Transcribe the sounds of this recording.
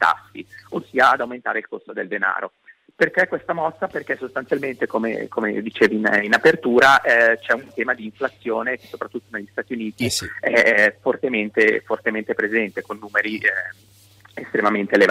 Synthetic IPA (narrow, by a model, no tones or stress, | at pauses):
t̪a̰fːḭosːiːaːd̪awment̪aːɾeilkost̪od̪eld̪ena̰ːɾo | perkɛkwest̪amɔsːaperk̟ɛsːost̪ansjalment̪ekomḛkomḛd̪it͡ʃeːvininapert̪uːɾaɛt͡ʃɛunt̪ɛːmad̪iːɱflat̪sːjoːneke̥sːopɾat̪ːut̪ːoneʎːist̪aːt̪iuniːt̪iɛfort̪ement̪efort̪ement̪epɾezɛnt̪ekonːuːmeɾiʔ | est̪ɾemament̪eːlev